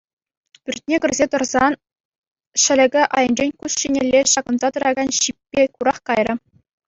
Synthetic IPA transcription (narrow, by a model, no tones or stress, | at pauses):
pʲyrʲt̚ʲnʲeɡʲɘ̆rʲzʲet̪ɤ̆rzɑn | ɕɘ̆lʲɘ̆ɡʲɘ̆ʔɑ̰jɤ̆nd͡ʑenʲkusɕinʲelʲːeɕɑɡɤ̆nzɑt̪ɤ̆ɾɑɡɑnɕipʲːekuɾɑχkɑjrʲɤ̆